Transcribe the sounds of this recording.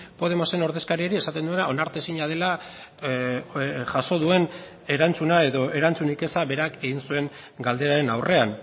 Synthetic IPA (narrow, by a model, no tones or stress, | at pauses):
po̞ð̞e̞mose̞no̞ɾðe̞skaɾie̞ɾiesat̪e̞nd̪uenao̞naɾt̪e̞siɲað̞e̞la | ʝaso̞ð̞ue̞n | e̞ɾant͡sunae̞ðo̞ʔe̞ɾant͡sunike̞saβe̞ɾake̞ɣinsue̞ŋ | ɡald̪eɾaɾe̞nawre̞an